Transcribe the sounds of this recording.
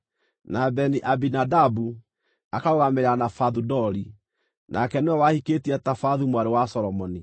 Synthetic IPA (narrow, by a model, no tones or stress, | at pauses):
nabɛniʔabinadabu | akaoɣameɾanafaðudɔɾi | nʔakɛneɔwahiketiɛtafaðumwaɾewasɔɾɔmɔni